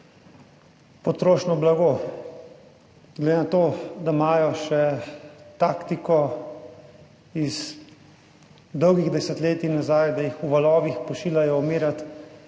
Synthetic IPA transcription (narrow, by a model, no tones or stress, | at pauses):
pɔt̪ɾoːʃnɔblaɡo | ɡled̪eːnat̪oːd̪amaːjɔʃɛ | t̪aːkt̪ikɔ | iz | d̪ɔwɡiɣd̪ɛsɛt̪leːt̪inazajd̪ajixuʋalɔːʋixpɔʃiːlajɔɔmiːɾat̪